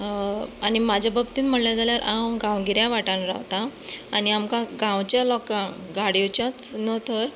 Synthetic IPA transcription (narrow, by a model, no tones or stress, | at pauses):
añimad͡ʑʱabəbt̪iːnm̤əɳljad͡zaljaɾʔawɡãwɡiɾjaʋaʈãnɾa̰ʋt̪aːañiamkãɡãʋt͡ɕjalɔkã | ɡaɽijot͡ɕjat͡snət̪əɾ